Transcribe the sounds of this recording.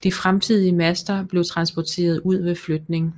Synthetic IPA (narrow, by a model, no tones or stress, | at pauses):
d̥ifʁamt͡sʰið̰ˠiəmæsd̥ɐb̥le̝ʊt͡sʰʁɑ̈nsb̥ɒt͡sʰe̝̰ːɐð̞ˠuð̞̰ˠʋe̝flød̥ne̝ŋ